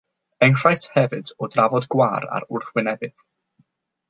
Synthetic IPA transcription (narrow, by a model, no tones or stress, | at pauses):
ənr̥ajtʰhɛvɨdɔdravɔdɡwaːɾa̰ɾʊrθwɪnɛbɨð̥